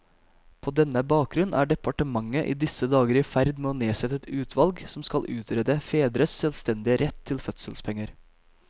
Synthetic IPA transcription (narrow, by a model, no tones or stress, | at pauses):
pʰoːd̪ɛnːəbɑːk̚ɡɾʉnnæːɖɛpɑʈəmɑŋːəʔḭːd̪ɪsəd̪ɑːɡəɾɪfæɾd̪meːɔneːsɛt̪ːəɛt̪ʉːt̪ʰʋɑlɡsɔmskɑlʔʉːt̪ʰɾɛd̪əfeːd̪ɾəssɛlst̪ɛnd̪ɪəɾɛt̪ʰːɪlfœt̪səlspʰɛŋːəɾ